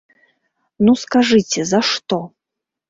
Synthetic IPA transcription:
nuskaʐɨt͡sʲɛzɐʂt̪ɔ

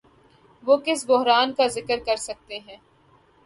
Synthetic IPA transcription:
ʋoːkɪsbʊɦɾaːnkazɪkəɾkɐɾsɐk̚t̪eɦɛ̃ː

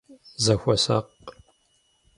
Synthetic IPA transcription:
zɐxʷɔsɐ̰q

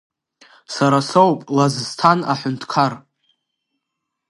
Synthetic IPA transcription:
saɾasowpʼlazztʰanaħʊntʰkʰar

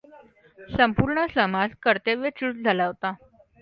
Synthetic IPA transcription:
səmpuɾɳəsəmad͡zkəɾt̪eʋjət͡ɕiɭ̚d͡zʱalaɦot̪a

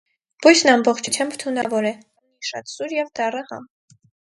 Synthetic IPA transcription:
b̥ujsnɑmbɔχt͡ʃʰut͡sʰjɑmbt̪ʰunɑvɔɾɛ | uniʃɑ̰t̪suɾjɛvd̪ɑrəhɑ̰m

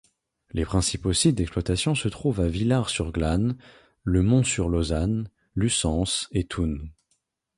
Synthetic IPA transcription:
lepχɛ̃siposit̪̚d̪ɛksplwat̪asjɔ̃sət̪χuvavilaʁsyʁɡlan | ləmɔ̃syʁlozan | lysɑ̃set̪ʰun

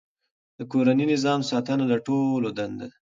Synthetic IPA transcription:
d̪̥əkoɾaninɪzɑmsɑt̪ənalaʈolod̪and̪a

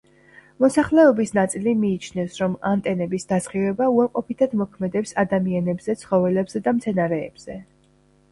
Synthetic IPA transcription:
mɔsaχlɛɔbisnat̪sʼilimiːt͡ʃʰnɛfsɾɔmant̪ʼɛnɛbisd̪azʁivɛbauaɾqʼɔpʰit̪ʰad̪mɔkʰmɛd̪ɛpsad̪amianɛbzɛt̪sʰχɔvɛlɛbz̥ɛd̪amt̪sʰɛnaɾɛ̰ːb̥z̥ɛ

